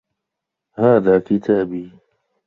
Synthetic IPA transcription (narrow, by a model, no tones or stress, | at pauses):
haːðaːkɪt̪ʰaːbiː